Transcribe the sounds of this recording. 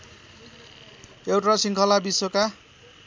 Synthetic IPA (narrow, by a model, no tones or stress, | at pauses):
ewʈasiŋkʰʌlabisoka